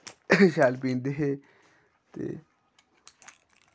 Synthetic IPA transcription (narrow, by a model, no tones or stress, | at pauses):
ʃaːlpĩːnd̪eɦeː | t̪ḛː